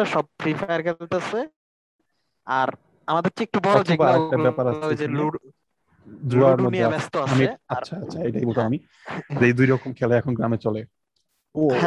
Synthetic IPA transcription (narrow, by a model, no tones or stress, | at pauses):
aʃɔb̚fɾifʰajaɾkʰelt̪ease | aɾ | amad̪eɾʈiek̚ʈubɔɔd͡ʑebaɾɛk̚ʈabɛpaɾased͡ʑluɖ | d̪ɾuaɾmodieabɛst̪oaamiaaatːɕʰaejʈaijbot̪ʰamami | d͡ʑejd̪ujɾɔkomkʰɛlaɛkʰonɡɾamet͡ɕɔle | oɦ